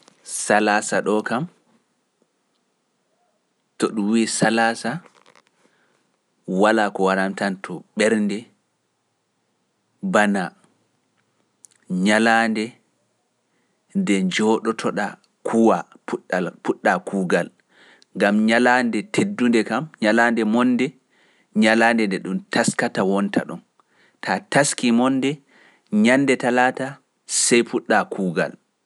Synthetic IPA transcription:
salaːsaɗɔkam | tɔɗumwisalasa | walaːkɔwaɾamtantʰɔɓɛɾndɛ | bana | ɲalaːndɛ | dɛɲd͡ʒɔːɗɔtʰɔɗa | kʰuwapuɗapuɗːakʰuːɡal | ŋɡamɲalandɛtʰedːundɛkamɲalandɛmɔnːdɛ | ɲalaːndɛndɛɗumtʰaskatawɔntʰa̰ɗṵm | tʰataskimɔnːdɛ | ɲandɛtalaːta | sɛjpuɗːakʰuːɡa̰l

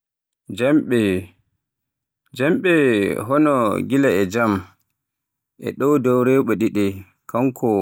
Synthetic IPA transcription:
d͡ʒamɓɛ | d͡ʒamɓɛɦɔnɔɡilaɛd͡ʒam | ʔɛ̰ɗɔwdɔwɾɛɓɔɗiɗɛ | kaŋkʰɔ

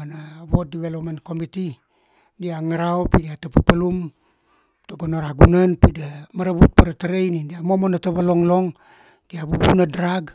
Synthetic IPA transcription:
naβot̚diβelopmanko̞miti | diaŋaɾaopidiatapapalum | toɡonoɾaɡunanpidamaɾaβut̚paɾataɾejnindiamomonataβalo̞ŋlo̞ŋ | diabubunadɾaɡ

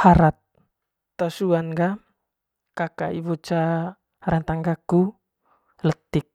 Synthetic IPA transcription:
haɾat̪ː | ɔsuanɡa | kaka̰ibɔt͡ʃa | haɾant̪aŋɡaku | lət̪ik̚

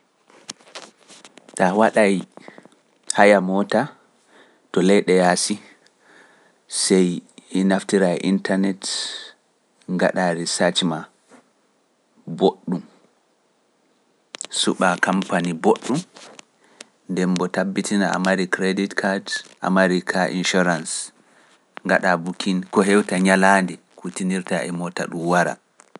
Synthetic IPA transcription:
tawaɗaj | hajamɔta | tɔlɛjɗɛjasi | sɛjinaftiɾajʔintanɛt | ŋɡa̰ɗaɾisat͡ʃima | boɗːum | suɓakampaniboɗːum | ndɛmbɔtabːitinaa̰maɾikɾeditkʰadʔa̰maɾikʰaʔḭnʃuɾans | ŋɡaɗabukʰinkɔɦɛwtaɲalandi | kutiniɾtaʔɛmɔta̰ɗumwaɾa̰

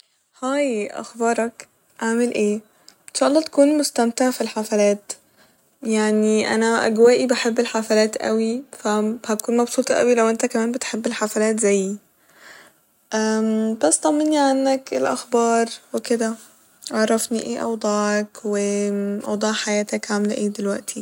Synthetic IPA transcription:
hæːjʔɑ̰xbɑːɾˤɑk | ʔaʕmelʔeː | enʃɑːʔɑlˤːɑːt̪æ̥kuːnmost̪æmt̪aʕfilħafælæːt̪ | jaʕniʔæ̰næʔæ̰ɡwæːʔibeħebːelħafælæːt̪ʔæ̰wifæhækuːnmɑbsuːt̪ˤɑʔæ̰wilæwʔent̪ækæmæːnbet̪ħebːelħafælæːt̪zæjː | ʔæbæsːt̪ˤɑmːenːiʕanːækelʔæ̰xbɑːɾˤweked̪æ | ʕɑʕɾˤːɑfniʔeːʔɑ̰wd̪ˤɑːʕɑkweʔɑwd̪ˤɑːʕħajæːt̪ækʕamlʔeːd̪elwæʔt̪ʰi

